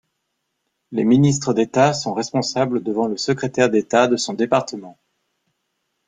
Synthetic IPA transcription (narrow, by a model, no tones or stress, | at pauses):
leminist̪χəd̪et̪asɔ̃ʁɛspɔ̃sabləd̪əvɑ̃ləsəkχet̪ɛʁd̪et̪ad̪əsɔ̃d̪epaʁt̪əmɑ̃